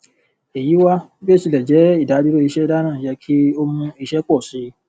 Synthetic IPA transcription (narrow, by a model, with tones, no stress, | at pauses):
e˨ji˨˦wa˦be˦˨si˨˧˨lɛ˨d͡ʒɛ˨˦i˦˨da˨˦du˦ɾo˦i˧ʃɛ˦da˦nãː˦˨jɛ˨˧kʰi˦o˦mũ˧i˧ʃɛ˦k͡pɔ˦˨si˨˦